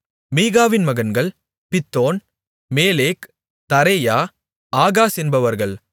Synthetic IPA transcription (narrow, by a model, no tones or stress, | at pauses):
miːɣaːʋɪnmɐɣɐnɡɐɭ | pɪt̪ːoːn | meːleːk | t̪ɐɾejaː | aːɣaːsɛnbɐʋɐɾɣɐɭ